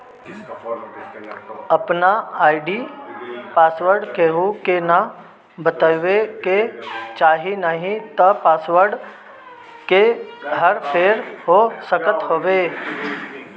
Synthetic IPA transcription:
əpnaaːɪɖi | paːswəɾɖkeɦukena | bət̪aʋeket͡ʃaːɦinəɦĩt̪ɐpaːsʋəɾɖ | keɦəɾpʰeːɾɦosəkət̪ɦoːʋeː

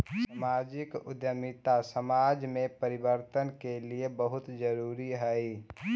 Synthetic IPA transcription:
samaːd͡ʒɪkʊd̪jəmɪt̪asəmad͡ʒmẽpəɾɪbəɾt̪ənkeliebəɦʊt̪d͡ʒəɾuːɾiɦɛi

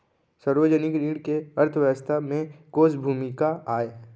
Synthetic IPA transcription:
səɾʋəd͡ʒənɪkɾiːɽkeɐɾt̪ʰʋəəst̪ʰamẽkoːsbʱuːmɪkaaːe

